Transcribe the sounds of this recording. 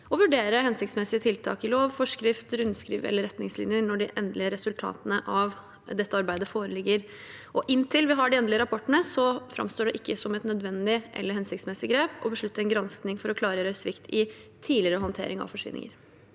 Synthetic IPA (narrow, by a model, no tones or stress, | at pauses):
ɔʋʉɖeːɾəhɛnsɪk̚t̪smɛsɪət̪ʰɪlt̪ʰɑ̰ːkɪloːʋfɔʂkɾɪft̪ɾʉnskɾḭːʋɛ̰lːəɾɛt̪nɪŋslɪ̰njənɔɖɪʔɛnd̪lɪəɾɛsʉlt̪ʰɑ̰ːt̪ənəʔɑʋ | d̪ɛt̪ːəɑɾbæɪd̪əfoːɾəlɪɡːəɾ | ʔɔʔɪnt̪ʰɪlʋɪɦɑɖɪɛnd̪ələɾɑpʰɔʈːəɳəsɔfɾɑ̰mst̪oːɖɛʔɪkʰːəsɔmɛt̪nœd̪ʋɛnd̪ɪʔɛ̰lːəɾhɛnsɪkt̪smɛsɪɡɾeːpɔbəʂɭʉt̪ːəɾɛnɡɾɑnsknɪŋfɔɾɔkʰlɑːɾəøːsʋɪkt̪ʰɪt̪ʰiːlɪəɾəɦɔnt̪ʰḛːɾɪŋɑ̰ʋfɔʂʋɪ̰nɪ̰ŋə̰ɾ